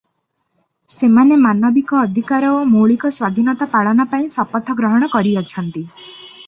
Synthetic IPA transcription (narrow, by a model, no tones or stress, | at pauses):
semanemanɔbikɔːd̪ʱikaɾɔomoɭikɔswad̪ʱinɔt̪apaɭɔnapaĩsɔpɔt̪ʰɔɡɾɔɦɔɽ̃ɔkɔɾiɔt͡ʃʰɔnt̪i